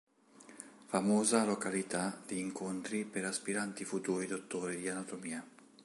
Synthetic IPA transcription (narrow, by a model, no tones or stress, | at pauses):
famoːzalokalit̪ad̪iːŋkont̪ɾipeɾaspiɾant̪ifut̪uːɾid̪ot̪ːoːɾid̪ianat̪omiːa